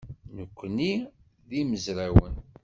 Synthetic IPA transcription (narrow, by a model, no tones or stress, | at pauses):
nəkʷːni | ðiməzɾæwə̰n